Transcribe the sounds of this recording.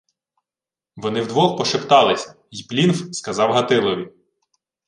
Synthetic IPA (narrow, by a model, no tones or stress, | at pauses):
ʋɔnɪwd̪ʋɔxpɔʃɪpt̪ɑlˠɪsʲɐ̥ | jplʲinfskɐzɑwɦɐt̪ɪlˠɔʋʲi